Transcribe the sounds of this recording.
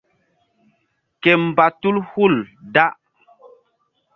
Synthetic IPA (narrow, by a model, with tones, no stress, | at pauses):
ke˨m˨ba˨tu˦lhu˦˨lda˦ʔ